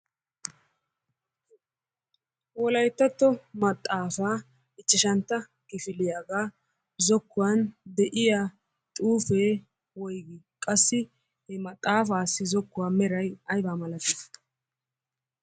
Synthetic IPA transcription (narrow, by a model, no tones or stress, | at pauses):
wɔlɐjt̪ːɐt̪ːɔmɐt̪ʼːaːfaː | ɪt͡ʃːɪʃɐnt̪ːɐ | ɡɪfɪlɪjaːɡaː | zɔkːʊwand̪ɛʔɪjaː | t̪ʼuːfeː | wɔjɡɪ | kʼɐsːɪ | hɛmɐt̪ʼːaːfaːsːɪzɔkːʊwaːmɛɾɐjɐjbaːmɐlɐt̪ːɪ̥